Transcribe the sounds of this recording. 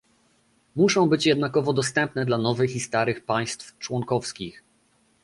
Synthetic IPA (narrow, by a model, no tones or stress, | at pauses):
muʂɔ̃w̃bɘt͡ɕjɛd̪nakɔvɔd̪ɔst̪ɛmpnɛd̪lanɔvɘxist̪aɾɘxpaj̃st̪ft͡ʂwɔŋkɔfskʲix